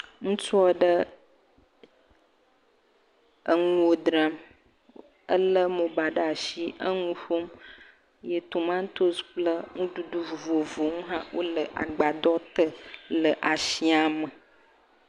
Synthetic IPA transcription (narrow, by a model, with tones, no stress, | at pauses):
ŋũ˦t͡ʃu˦ɔ˦ɖə˦ | ə˨ŋũ˦wo˨d̪ɾa˨m | ə˦lə˦mõ˨ba˨ɖa˨ʃi˦ə˦ŋũ˦ɸo˦m | jə˨t̪o˨mã˦t̪o˦sk͡plə˦ŋũ˦ɖu˦ɖu˦˨vo˨vo˨ŋũ˦ɦã˦wʔo̰˦lə˨ʔa̰˨ɡ͡ba˨d̪ɔ˦t̪ə˦lə˨ʔa˨ʃi˦a˨mə˨